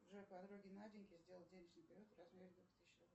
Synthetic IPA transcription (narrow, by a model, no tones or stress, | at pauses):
ʐɛpad̪ɾoɡʲɪnadʲɪŋʲkʲɪzʲdʲe̞lˠəlˠdʲenʲɪʐnɨɪjpʲɪɾʲɪot̪razvʲeɾʲɪd̪ot̪ɪɕːo